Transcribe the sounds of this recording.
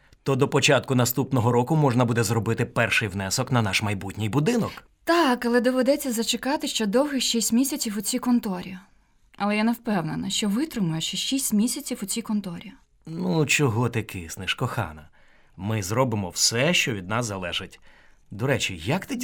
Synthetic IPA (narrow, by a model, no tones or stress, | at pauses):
t̪ɔd̪ɔpɔt͡ʃɑt̪̚kʊnɐst̪upnɔɦɔɾɔkʊmɔʒnɐbud̪ɛzɾɔbɪt̪ɪpɛrʃɪjwnɛsɔknɐnɑʃmɐjbutʲnʲɪjbʊd̪ɪnɔk | t̪ɑkɐlˠɛd̪ɔʋed̪ɛt͡sʲːɐzɐt͡ʃekɑt̪ɪʃt͡ʃɔd̪ɔwɦɪxʃisʲtʲmʲisʲɐt͡sʲiwʊt͡sʲikɔnt̪ɔɾʲi | ʔɐlˠɛjanewpɛwnenɐʃt͡ʃɔʋɪt̪ɾɪmʊjɛʃt͡ʃɔʃisʲtʲmʲisʲɐt͡sʲiwʊt͡sʲikɔnt̪ɔɾʲi | nut͡ʃɔɦɔt̪ɪkʰɪsnɪʃkɔxɑ̰nɐ | mɪzɾɔbɪmɔwsɛʃt͡ʃɔʋʲid̪̚nɑsːɐlˠɛʒɪtʲ | d̪ɔɾɛt͡ʃʲijɐkt̪ɪ